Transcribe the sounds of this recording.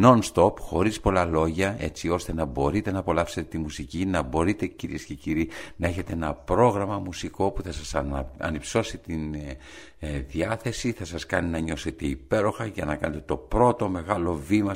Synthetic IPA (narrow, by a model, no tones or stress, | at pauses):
no̞nst̪o̞pxo̞ɾispo̞lɐlo̞ʝɐe̞t͡sio̞st̪e̞nɐbo̞ɾit̪e̞nɐːpo̞lɐfse̞t̪e̞t̪imusicinɐbo̞ɾit̪e̞ciɾḭe̞sce̞ciɾinɐe̞çe̞t̪e̞e̞nɐpɾo̞ɣɾɐmɐmusiko̞puθɐsɐsɐ̰nipso̞sit̪in | ðiɐθe̞siθɐsɐskɐninɐɲo̞se̞t̪e̞ipe̞ɾo̞xɐʝɐnɐkɐne̞t̪et̪o̞pɾo̞t̪o̞me̞ɣɐlo̞vimɐ